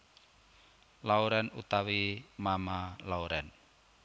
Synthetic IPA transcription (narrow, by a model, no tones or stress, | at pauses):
lauɾɛnut̪awimamalauɾɛn